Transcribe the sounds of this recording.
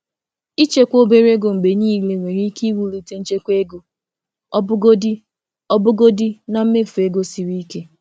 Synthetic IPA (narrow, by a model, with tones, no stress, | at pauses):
i˦t͡ʃe˦kʷo˦be˨ɾe˦ɡʊ˨ŋ͡m̩˨ɡ͡be˨ɲi˦˨le˨ŋʷe˨ɾi˦ki˦wu˦lu˨te˦n̩˦t͡ʃe˦kʷe˦ɡo˨ | ɔ˦bʊ˦ɡo˦di˦ | ɔ˦bʊ˦ɡo˦di˦na˦m̩˦me˦˨fu˨e˦ɡo˦si˨ɾi˦ke˦